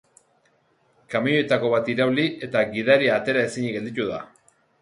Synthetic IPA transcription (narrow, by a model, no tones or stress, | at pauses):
kamijoet̪ako̞βat̪iɾawliʔe̞t̪aɣiðaɾiaːt̪e̞ɾae̞siɲiɣe̞ld̪it̪uða